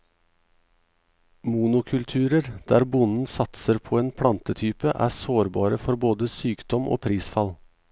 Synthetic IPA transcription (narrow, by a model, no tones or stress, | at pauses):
muːnʊkʰʉlt̪ʰʉːɾəɾd̪̥æːɾbʊnn̩sɑt̪səɾpʰoːeːnpʰɽɑnt̪ət̪ʰyːpəʔæ̰ːsoːɾbɑːɾəfɔɾboːd̪əsyːkd̪ɔmʔo̰ːpʰɾiːsfɑl